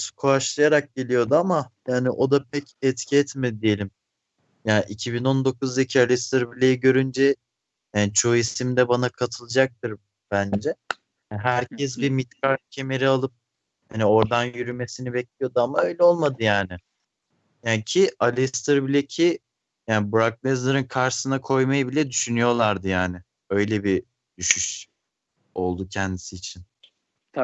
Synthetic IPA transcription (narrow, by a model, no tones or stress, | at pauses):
skʰuaʃlˠajaɾak̚ɟe̞lʲijo̞d̪uamajaːnɪʔo̞d̪ap̚ʰɛcɛt̪cʰiɛt̪med̪d̪ije̞lʲim | jaːnʔicʰibino̞nd̪o̞kuzd̪acʰialʲist̪ɯɾbilʲejiɟø̞ɾynd͡ʒɛ | jaːnit͡ʃʰo̞isimd̪ɛbanakʰat̪ʰɯlˠɯd͡ʒak̚t̪ʰɯɾ | b̥ænd͡ʒɛ | jɦæɾcʰɛs̬bimit̪kʰaɾcʰe̞me̞ɾialˠɯp̚ | hanio̞ɾd̪anjyɾyme̞sinibɛc̚lʲijo̞d̪uamaø̞jlʲɛo̞lˠmad̪ɯjaːnɪ | jaːncʰialʲist̪ʰɯɾbilʲɛcʰi | jaːnɪbuɾak̚nˠɛzlˠaɾɯnkʰaɾʃsɯnakʰo̞jmajɯbilʲɛd̪yʃynyjo̞lˠaɾd̪ɯjaːnɪ | ø̞jlʲɛbi | d̪̥yʃyʃ | o̞lˠd̪ucʰɛnd̪isiːt͡ʃʰin